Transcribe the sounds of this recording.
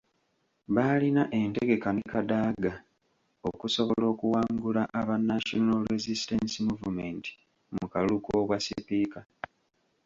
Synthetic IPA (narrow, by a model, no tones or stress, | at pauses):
βaːlinaʔe̞nte̞ɡe̞kanikadaːɡa | o̰kuso̞βo̞lo̞ːkuwaːŋɡulaʔaβanːaʃonolɾezisitensimuvume̞nti̥ | mukalukokwasḭpika